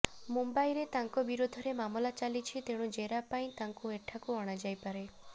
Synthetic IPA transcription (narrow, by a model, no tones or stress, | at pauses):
mumbajɾet̪aŋkɔbiɾod̪ʱɔɾemamɔlat͡ʃalit͡ʃʰit̪eɽ̃ũd͡ʒeɾapaĩt̪aŋkueʈʰakuɔɽ̃ad͡ʒajpaɾe